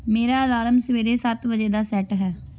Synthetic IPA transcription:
meːɾaːlaːləmsəʋeːɾeːsət̪ʋəd͡ʒeːd̪aːsɛːʈɦɛː

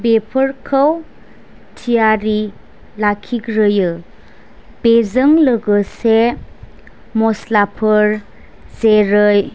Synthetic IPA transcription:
bepʰəɾkʰəw | tʰijaɾi | lakʰiɡɾɯjɯ | bezəŋləɡəse | mɔslapʰəɾ | zeɾɯj

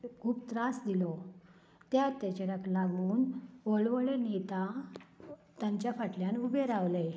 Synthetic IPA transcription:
kʰuːbt̪ɾãsd̪ilɔ | t̪jat̪ːat͡ɕəɾaklaɡuːnʋəɭʋəɭenet̪a | t̪jãɲt͡ɕjafaʈljanubeɾaʋləj

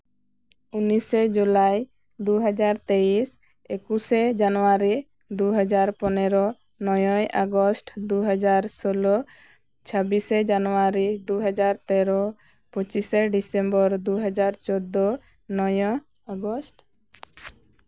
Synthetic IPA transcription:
unised͡ʒulaj | d̪uɦɔd͡ʒaɾt̪eis | ekused͡ʒanuaɾi | d̪uɦɔd͡ʒaɾpɔneɾɔ | nɔjɔjʔaɡɔsʈd̪uɦɔd͡ʒaɾsolɔ | t͡ʃʰɔbised͡ʒanuaɾid̪uɦɔd͡ʒaɾt̪ɛɾɔ | pɔt͡ʃiseɖisembɔɾd̪uɦɔd͡ʒaɾt͡ʃɔd̪ːɔ | nɔjɔ | aɡɔsʈ

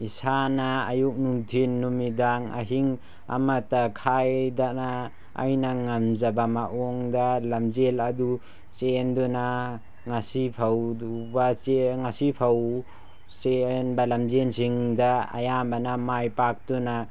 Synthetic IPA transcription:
isanaːjuk̚nuŋtʰinːumidaŋa̰ɦiŋ | a̰matakʰajdana | a̰jnaŋamzabamaʔɔŋdalamzeladu | t͡ʃendɔna | ŋasipʰawbat͡ʃeŋasipʰaw | senbalamzensiŋdaa̰jambanamajpak̚dɔna

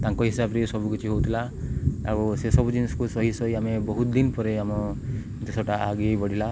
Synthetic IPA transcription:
t̪aŋkɔɦisabɾesɔbʱukit͡ʃʰiɦowt̪ʰila | a̰busesɔbud͡ʒinisɔ̥kusɔɦisɔjamebɔɦut̪d̪inpɔɾeamɔ | d̪ɔsɔʈaaɡibɔɽila

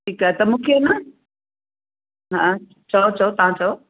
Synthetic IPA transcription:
ʈʰiːkaɛt̪ɐmũːkʰenɐ | ɦã | t͡ɕʰɐot͡ɕʰɐot̪ɐʋ̤ãt͡ɕʰɐo

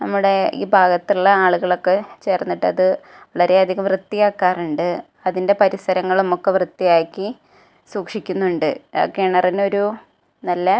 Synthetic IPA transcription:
nɐmːuɽe̞ḭːbʱaːɡɐt̪ːiɭːɐaːɭuɣɐɭo̞kːe̞t͡ɕe̞ːrnːiʈːɨɐðɨ | ʋɐɭɐɾe̞ɐd̪ʱiɣɐmrɨt̪ːijaːkːaːruɳɖɨ | ɐðinde̞pɐɾisɐɾɐŋːɐɭmːokːeʋrɨt̪ːijaːkːi | suːkʂikʲːunːuɳɖɨo̰kːejɳɐrino̞ɾu | nɐlːɐ

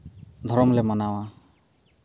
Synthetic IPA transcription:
d̪ʱɔɾɔmlɛmanawa

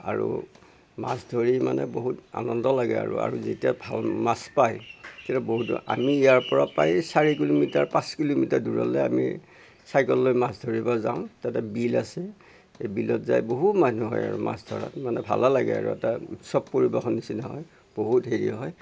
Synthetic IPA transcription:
a̰ɹṵ | masdʱoɹimanɛboɦuta̰nɔndɔlaɡɛ̰a̰ɹua̰ɹuzetijabʱalmaspajkɛtuboɦuta̰miːjaɹpɔɹapajsaɹik̬ilomitaɹpãskilomitaduɹɔ̰lɛa̰mḭ | sajkɔlːojmasdʱoɹibɔzaʊ̃tatɛbilasɛ | ejbilɔtzajboɦutmanuɦɔ̰ja̰ɹṵma̰sdʱɔɹa̰tmanɛbʱa̰lalaɡɛ̰a̰ɹṵɛtautsɔb̚poɹibɔxɔnisinɔɦɔj | b̥oɦutɦeɹiɦɔj

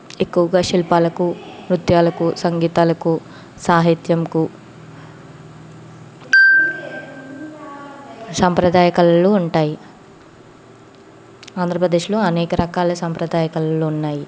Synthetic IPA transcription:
e̞kːuʋɐɡaːʃilpaːlɐkumɾut̪jaːlɐkusɐŋɡiːt̪aːlɐku | saːɦit̪jɐmku | sampɾɐd̪aːjɐkɐlloːuɳʈaːji | aːnd̪ʱɾɐpɾɐd̪eːʂlo̞ːɐnɛːkɐɾɐkaːlɐsampɾɐd̪aːjɐkɐlɐloːunːaːji

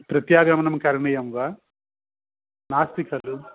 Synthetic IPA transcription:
pɾɐt̪jaːɡɐmɐnɐmkɐɾɐɳɐjɐmʋa | naːst̪ikɐlu

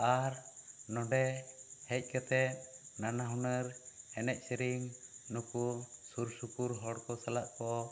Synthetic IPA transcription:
aɾnɔɖɛhɛc̚ˀkət̪ɛt̪̚nanaɦunəɾɛnɛc̚ˀsiɾiŋnukusuɾsupuɾɦɔɽkɔsalaʔkɔ

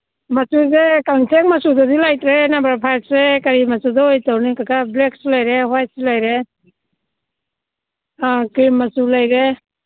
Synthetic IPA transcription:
masuzekaŋsʰek̚masudɔdilajtɾenabaɾpʰasɾekaɾimasudɔjtawnikakableksulajɾeɦaj̚sulajɾe | akɾimːasulajɾe

